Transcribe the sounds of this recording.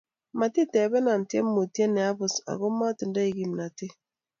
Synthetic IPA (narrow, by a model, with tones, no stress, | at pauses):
ma˨ti˦te˨bɛ˦na˨n̩˨tje˦m˦mo˨ti˦e˦ne˨a˦bʊ˨sa̰˨ɣʊ˦ma˦tɪ˨n̩˦da˦i˨ɡi˨m˨na˨tɪ˦